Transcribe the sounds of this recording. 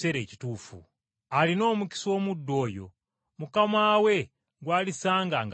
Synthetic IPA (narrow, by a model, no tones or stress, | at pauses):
eɾet͡ʃi̥tuːfṵ | alino̞ːmuki̥siwomudːo̞ːjo̰ | mukamawe̞ | ŋɡwaːlisaːŋɡaŋɡ